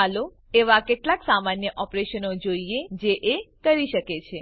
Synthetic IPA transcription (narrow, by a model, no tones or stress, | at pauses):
alo | eʋakeʈlaksamanjəʔɔpɾeʃənod͡ʒoied͡ʒeʔekəɾiʃəket͡ʃʰe